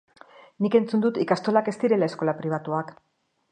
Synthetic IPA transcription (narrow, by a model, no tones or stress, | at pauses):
nike̞nt͡sund̪ut̪ikast̪o̞lake̞st̪iɾe̞lae̞sko̞lapɾiβ̞at̪uak